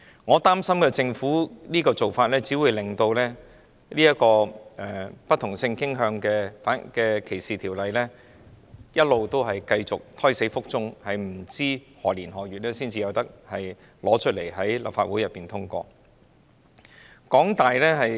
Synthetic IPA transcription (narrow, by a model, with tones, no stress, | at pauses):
ŋɔː˨˧t̪aː˥msɐ˥mkɛː˧t͡sɪ˧ŋfuː˨˥liː˥kɔː˧t͡so˨wfaː˧t̚lɛː˥t͡siː˨˥wuː˨˧jlɪ˨˩ŋt̪o˧wlɛː˥ | liː˥jɐ˥kɔː˧ɛ˨˩pɐ˥t̪̚ʰʊ˨˩ŋsɪ˧ŋkɪ˥ŋɦœː˧ŋkɛː˧faː˨˥nkɛː˧kʰe˨˩jsiː˨t̪ʰiː˨˩wlɐ˨˧jlɛː˥ | jɐ˥t̚lo˨wt̪o˥wɦɐ˨jkɐ˧jt͡sʊ˨k̚t̪ʰɔː˥jse˨˥jfʊ˥k̚t͡sʊ˥ŋhɐ˨jm̩˨˩t͡siː˥hɔː˨liː˨˩nɦɔː˨˩ɥyː˨t̚lɛː˥siː˥nt͡siː˨jɐ˨˧wt̪ɐ˥k̚hɐ˨j | lɔː˨˥t͡ʃʰɵ˥t̚le˨˩jɦɐ˨˥jlɐ̰˨pfa̰ː˧t̚wu˨˥jɐ˨˩pːiː˨˩nt̪ʰʊ˥ŋkɔ̰ː˧ | kɔː˨˥ŋt̪aː˨jlɛː˥ɦɐ˨j